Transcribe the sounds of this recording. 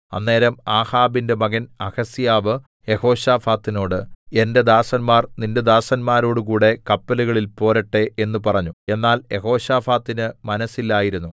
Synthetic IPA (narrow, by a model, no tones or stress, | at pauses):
ɐ̰nːe̞ːɾɐmaːhaːbinde̞mɐɣɐnɐhɐsijaːʋɨ | je̞ho̞ːɕaːfaːt̪ːino̞ːɽɨe̞nde̞d̪aːsɐnmaːrninde̞d̪aːsɐnmaːɾo̞ːɽɨkuːɽe̞kɐpːɐluɣɐɭilpo̞ːɾɐʈːe̞e̞nːupɐrɐɲːue̞nːaːlje̞ho̞ːɕaːfaːt̪ːinɨmɐnɐsːilːaːjiɾunːu